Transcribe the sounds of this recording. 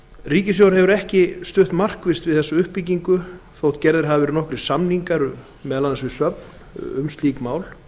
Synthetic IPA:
riːcɪsjowɾhɛvʏɾɛhcɪst̪ʏht̪mar̥kvɪst̪vɪðθɛsːaʏhpːic̬iŋkʏθoːwt̪cɛɾðɪɾ̥ɦavɪvɛɾɪnɔhkɾɪsamniŋkaɾ | mɛðalanasvɪsœpn | ʏ̰mst̪iːkmaːwl

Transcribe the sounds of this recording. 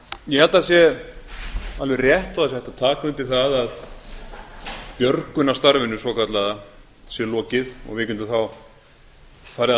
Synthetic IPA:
jɛhɛlt̪as̬jɛ | alvɛrjɛht̪ɔðas̬ɛht̪at̪ʰaːkʏnt̪ɪθaðað | pjœɾkʏnast̪aɾvɪnʏsɔkʰat̪laða | sjɛlɔːcɪðɔ̰ɣvɪcʏnt̪ʏθaw | faːɾɪa

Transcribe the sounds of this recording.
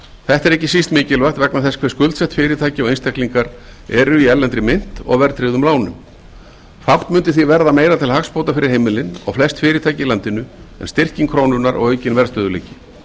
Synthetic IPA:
θɛht̪ɛɾɛhcɪsist̪mɪːcɪlvajxt̪vɛknaθɛskʰvɛɾskʏlt̪sɛht̪fɪːɾɪt̪ʰaːjcɪɔɣejnst̪ɛkliŋkaɾɛɾʏiɛllːɛnt̪ɾɪmɪn̥t̪ɔ̰ɣvɛɾt̪ɾɪɣðʏmlaːwnʏ̰m | fawt̪mʏnt̪ɪθivɛɾðameːjɾat̪ʰɪlhakspowt̪afɪɾɪɾ̥hejmɪlɪnɔ̰ɣflɛst̪fɪːɾɪt̪ʰaːjcɪilant̪ɪnʏɛ̰nst̪ɪr̥ciŋkʰɾoːwnʏnaɾɔ̰ɣœːɥcɪnvɛɾst̪œːðʏleːjcɪ̥

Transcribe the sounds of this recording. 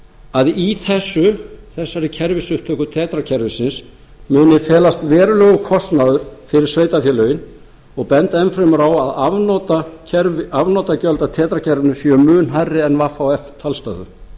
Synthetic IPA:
aðiθɛsːʏθɛsːaɾɪcʰɛɾvɪsʏht̪ʰœːkʏt̪ʰɛːt̪ɾacʰɛɾvɪsɪns | mʏːnɪfɛːlast̪vɛːɾʏlœːɣʏkʰɔst̪naðʏɾ̥fɪɾɪɾ̥sveːjt̪afjɛlœɥɪn | ɔɣpɛnt̪aɛnfɾɛmʏɾawaðavnɔːt̪aɛɾvɪavnɔːt̪acœlt̪at̪ʰɛːt̪ɾacʰɛɾvɪnʏsjœmʏːnɦarːɪɛnvafawɛft̪ʰalst̪a̰ðʏ̰

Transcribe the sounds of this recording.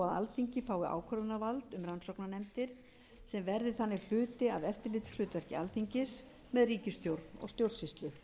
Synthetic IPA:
aða̰lθiɲcɪfaːwɪʔa̰ːwkʰœɾvʏnavalt̪ʏmɾansɔwknanɛmt̪ɪɾ̥ | sɛmvɛɾðɪθanːɪ̥l̥ʏːt̪ɪaðɛft̪ɪɾlɪːt̪slʏːt̪vɛr̥cɪalθiɲcɪs | mɛðriːcɪst̪jowɾt̪nɔ̰ɣst̪jowɾðsfist̪lɪ

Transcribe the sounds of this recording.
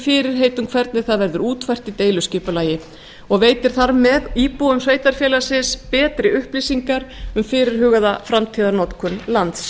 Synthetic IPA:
fɪɾɪɾ̥ɦeːjt̪ʏmkʰvɛɾt̪nɪ̥θaðvɛɾðʏɾuːt̪fajr̥t̪it̪eːjlʏscɪːpʏlaːjɪ | ɔɣveːjt̪ɪɾ̥θaɾmɛðiːpuʏmsveːjt̪aɾ̥fjɛːlasɪspɛːt̪ɾɪʏhplisiŋkaɾ̥ʏmfɪɾɪɾ̥ɦʏːɣaðafɾamt̪ʰiːðaɾnɔt̪kʰʏnlant̪s

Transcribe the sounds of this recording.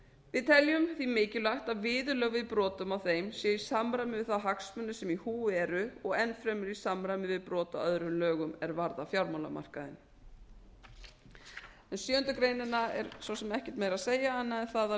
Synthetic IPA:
vɪðt̪ʰɛljʏmθimɪːcɪlajht̪aðvɪːðʏlœɣvɪðpɾɔːt̪ʏmawθejmsjɛːjɪ̥samɾajmɪvɪðθaðɦaksmʏnːʏsɛmihuːɛɾʏɔɣɛnfɾɛmːɪɾisamɾajmɪvɪðpɾɔːt̪a̰œðɾʏmlœːɣʏmɛɾvaɾðafjawɾmawla̰ma̰r̥kaðɪ̰n | ɛnsjœːʏnt̪ʏkɾeːjnɪnːaɛ̰ɾ̥svɔsɛmɛhcɪ̥t̪meːjɾaðseːjaanːaɛnθaða

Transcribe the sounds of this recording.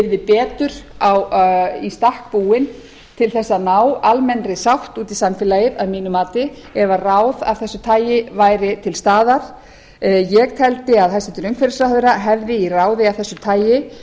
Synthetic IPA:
ɪɾðɪpɛːt̪ʏɾ̥awist̪ahk̚puːwɪn | t̪ʰɪlθɛsːanaːwalmɛnrɪsawht̪uːt̪isamfɪlajɪðaðmiːnʏmaːt̪ɪ | ɛvarawða̰vθɛsːʏt̪ʰaːjɪvaːjɾɪt̪ʰɪlst̪aːðaɾ̥ | jɛɣt̪ʰɛlt̪ɪaðhasɛnt̪ʏɾœmŋkfɛɾɪsɾahðʏɾaɦɛvðɪiraːwðɪavθɛsːʏt̪ʰaːjɪ

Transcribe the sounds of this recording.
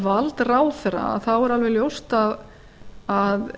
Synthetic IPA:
valt̪raːwθɛra̰a̰θawɛɾalvɛljowst̪að | að

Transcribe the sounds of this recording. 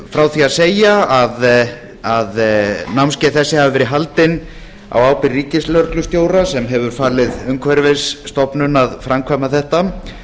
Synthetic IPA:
fɾawθiaðseːjaað | aðnawmscɛθɛsːɪhavavɛːɾɪɦalt̪ɪn | a̰waːwpɪrːiːcɪslœɾklʏst̪joːwɾasɛmɦɛvʏɾ̥faːlɪðʏŋkʰvɛɾvesːt̪ɔpnʏnaðfɾʔamkʰvamaθɛht̪a

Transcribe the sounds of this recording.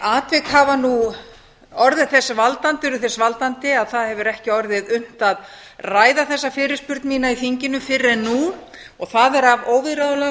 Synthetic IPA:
aːt̪vɪkhavanu | ɔɾðɪðθɛsːavalt̪ant̪ʏɾʏθɛsvalt̪ant̪ɪaðθaðhɛvʏɾɛhcɪɔɾðɪðʏn̥t̪að | raːjðaθɛsːafɪːɾɪ̥spʏɾt̪nmiːnaiθiɲcɪnʏmfɪɾːɛnːu | ɔɣθaðɛɾavoːwvɪɾaðʏlɛ

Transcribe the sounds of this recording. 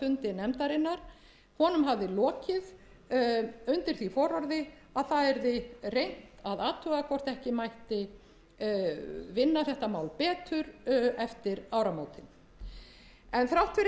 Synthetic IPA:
ʏnt̪ɪnɛmt̪aɾɪnːaɾ̥ | hɔnʏmɦavðɪlɔːcɪð | ʏnt̪ɪɾ̥θifɔɾɔɾðɪ | aðθaðɛɾðɪrejn̥t̪aðaːt̪ʰʏɣakʰvɔr̥t̪ɛhcɪmajht̪ɪ | vɪnːaθɛht̪amaːwlpɛːt̪ʏɾɛft̪ɪɾawɾamoːwt̪ɪn | ɛnθɾawht̪fɪɾ

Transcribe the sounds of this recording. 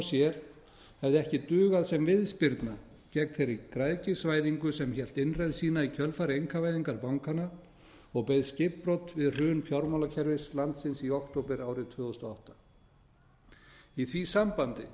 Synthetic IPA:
sjɛɾ̥ | hɛvðɪɛhcɪt̪ʏːɣaðsɛmvɪðspɪɾt̪na | cɛknθejɾikɾaðcɪsvaːjðiŋkʏsɛmçɛl̥t̪ɪnrɛðsiːnaicʰœlfaɾɪejŋkʰavajðiŋkaɾpawŋkana | ɔɣpejðscɪppɾowt̪vɪðr̥ʏːnfjawɾmawlacʰɛɾvɪslant̪sɪnsiɔkt̪owpɛɾaːwɾɪt̪ʰvʏːɣʏst̪ɔawht̪ḁ | iθvisampant̪ɪ

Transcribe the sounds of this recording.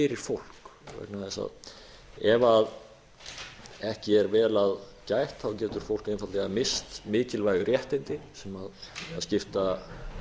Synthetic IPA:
ɪɾɪɾ̥fowl̥kvɛ̰knaðɛsa̰ð | ɛvað | ɛhcɪɛɾvɛːlaðcaːjht̪aɔcɛːt̪ʏɾ̥fowl̥kejnfat̪lɛɣamɪst̪mɪːcɪlvajɣʏɾjɛht̪ɪjnt̪ɪsɛmaðaðscɪft̪a

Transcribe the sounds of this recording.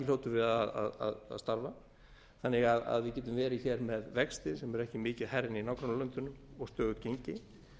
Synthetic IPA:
ɪl̥oːwt̪ʏɾvɪðaða̰ða̰ð̰st̪aɾva | θanːɪɣaða̰ðvɪðcɛːt̪̬ʏmvɛːɾɪçɛɾmɛðvɛkst̪ɪsɛmɛɾɛhcɪmɪːcɪðhɛɾɪninaːwkɾanalœnt̪ʏnːʏmɔɣst̪œːɣʏcejɲcɪ

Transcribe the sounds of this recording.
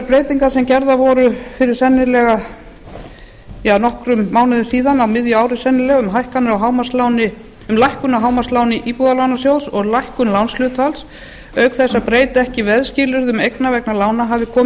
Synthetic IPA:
ɾpɾeːjt̪iŋkaɾ̥sɛmcɛɾðavɔɾʏfɪɾɪɾ̥sɛnːɪlɛɣa | jaːnɔhkɾʏmːaːwnɪðʏsiːðanawmɪðjʏaːwɾɪsɛnːɪɾlɛɣaʏmɦajhkanɪɾawɦawmḁslaːwnɪ | ʏmlajhkʏnaɦaːwmaslaːwnɪʔipuðalawnasjowlsɔɣlajhkʏnlawnslʏːt̪als | œːɥkθɛsːapɾeːjt̪ɛhcɪvɛðscɪlʏɾðʏmejknavɛknalaːwnaɦavðɪkʰɔː

